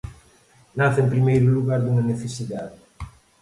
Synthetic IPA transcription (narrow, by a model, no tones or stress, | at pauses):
naθempɾimejɾuluɣaɾd̪uŋaneθesiðaðe